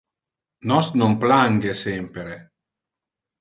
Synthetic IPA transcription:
nɔsnomplaŋɡesempeɾe

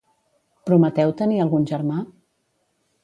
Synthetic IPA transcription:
pɾumət̪ɛwt̪əniəlˠɣunʲʒəɾma

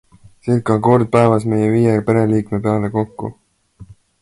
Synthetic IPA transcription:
sel̚kɑko̞rd̪̥̚pæevɑsme̞jeviːjepe̞ɾe̞liːkmepe̞ɑleko̞kːṵ

